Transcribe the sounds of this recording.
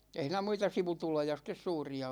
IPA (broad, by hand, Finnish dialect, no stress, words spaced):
ei hiˑnæ muitɑ siʋutulojɑ sitˑes suːriɑ